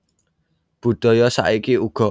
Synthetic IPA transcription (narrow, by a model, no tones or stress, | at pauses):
b̥ṳɖ̥ɔ̤jɔsa̰ʔikiuɡ̥ɔ̤